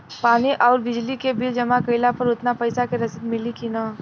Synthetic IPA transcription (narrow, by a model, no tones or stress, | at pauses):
paːniʔɔːɾbɪd͡ʒlikebɪld͡ʒɐmakɐɪlapɐɾʊt̪napɐɪsakeɾɐsɪd̪mɪlikinaː